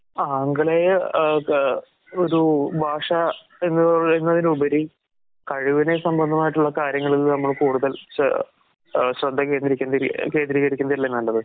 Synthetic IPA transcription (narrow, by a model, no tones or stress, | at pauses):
aːŋɡɐɭe | oɾubʱaːʂɐ | e̞nːɨenːɐðinubɐɾi | kɐɻuʋine̞sɐmbɐnd̪ʱɐmaːjiʈːuɭːɐkaːɾjɐŋːɐɭilnɐmːɐɭkuːɽuðɐl̰ | ɕrɐd̪ʱːɐkːe̞ːnd̪ɾikʲːunike̞ːnd̪ɾiːɣɐɾikʲːunɐðilːenːɐlːɐðɨ